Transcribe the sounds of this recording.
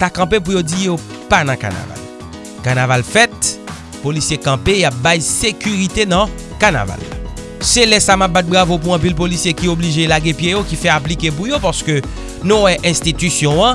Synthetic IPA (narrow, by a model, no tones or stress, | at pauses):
t̪akɐ̃p̬ep̬ujod͡zijo | panãka̰na̰va̰l | kanavalfɛt̪̚ | polisjekɐ̃peap̚bajsekyʁit̪enɐ̃ | kana̰va̰l | selɛsamap̚bat̪̚bʁavop̬uɑ̃p̬ilpolisjekiobliʒelaɡẽpjejokifɛaplikep̬ujopaʁsə̥kø | nũwɛʔɛ̃st̪it̪ysjɔ̃ã